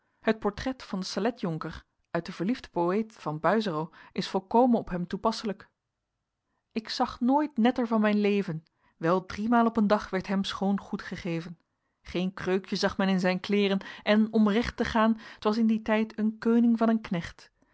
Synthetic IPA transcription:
hət̚pɔɹtrɛtfɑndəsalɛtjɔŋkəɹ | ʔœɥt̚dəv̥əɹlivdə̥poejtfɑnbœɥzərowʔɪsfɔlˠkowmənɔpɦɛmtupɑsələk | ɪksɑχnoːjtnɛtəɹvɑnmɛjnlejvən | ʋɛlˠdrimaːlˠɔpəndɑχʋɛɹtɦɛmsχownχutχəχejvən | χejnkrøɥkjəzɑχmɛnɪnzɛjnklɪːrənʔɛnɔmrɛχtəχaːnətʋɑsɪnditɛjtənkøːnɪŋvɑnənknɛχt

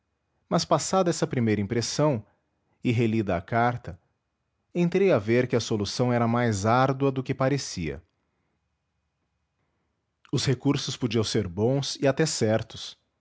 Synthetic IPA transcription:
mɐspasad̪ɐɛsɐpɾimejɾɐĩpɾesɐ̃w̃ | ɪɦelid̪ɐ̰ːkaɾt̪ɐ | ẽnt̪ɾejaveɾkɪɐsolusɐ̃w̃ɛɾɐmajzaɾd̪wɐd̪ʊkɪpaɾesiɐ̰ | ʊshekuɾsʊspod͡ʒiɐ̃w̃seɾbõw̃sɪat̪ɛsɛɾt̪ʊ̥s

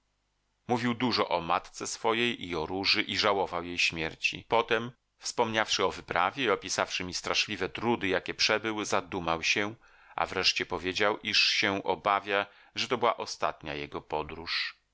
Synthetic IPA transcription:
muvʲiwd̪uʐɔ̰ʔɔmat̪t̪sɛsfɔjejʔiɔɾuʐɘʔiʐawɔvawjejɕmʲjɛɾt͡ɕḭpɔt̪ɛm | fspɔmɲafʂɘɔvɘpɾavʲjɛiɔpʲisafʂɘmʲist̪ɾaʂlʲivɛt̪ɾud̪ɘjakʲɛpʂɛbɘwzad̪umawɕɛ | a̰vɾɛʂt͡ɕɛpɔvʲjed͡ʑawʔiʂɕɛʔɔbavʲja | ʐɛt̪ɔbɘwaʔɔst̪a̰t̪ɲa̰jɛɡɔpɔd̪ɾuʂ

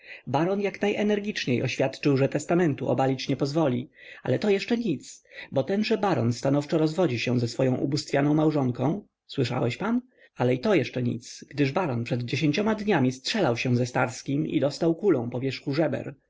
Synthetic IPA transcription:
baɾɔnjaknajʔɛnɛɾɡʲit͡ʂɲejɔɕfʲjat̪t͡ʂɘwʐɛt̪ɛst̪amɛnt̪uʔɔ̰balʲit͡ɕɲɛpɔzvɔlʲia̰lɛt̪ɔjɛʂt͡ʂɛɲit̪sbɔt̪ɛnʐɛbaɾɔnst̪anɔft͡ʂɔɾɔzvɔd͡ʑiɕɛ̃zɛsfɔjɔ̃w̃ʔṵbust̪fʲjanɔ̃w̃mawʐɔŋkɔ̃w̃ | swɘʂa̰wɛɕpan | alɛit̪ɔjɛʂt͡ʂɛɲḭt̪sɡ̥d̪ɘʐbaɾɔnpʂɛd̪d͡ʑeɕeɲt͡ɕɔmad̪ɲamʲistʂɛlawɕɛ̃zɛst̪aɾskʲimḭd̪ɔst̪awkulɔ̃w̃pɔvʲjɛʂxuʐɛbɛ̰ɾ

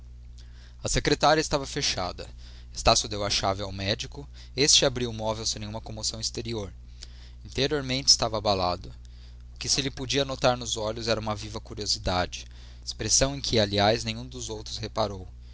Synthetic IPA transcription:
ɐsekɾet̪aɾiɐɪst̪avɐfeʃa̰d̪ɐ | est̪asjʊd̪ewɐʃavɪawmɛd͡ʒikʊ | est͡ʃɪabɾiwʊmɔvewsẽnẽũmɐkõmosɐ̃w̃ɪst̪eɾioɾ | ĩnt̪eɾioɾmẽnt͡ʃɪ̥st̪avɐːbalad̪ʊ | ʊkɪsɪlɪpod͡ʒiɐanot̪aɾnʊzɔʎʊzɛɾɐũmɐvivɐkuɾiozid̪ad͡ʒɪ | espɾesɐ̃w̃ẽj̃kʰɪaliajznẽjɲ̃ũd̪ʊzowt̪ɾʊshepaɾow

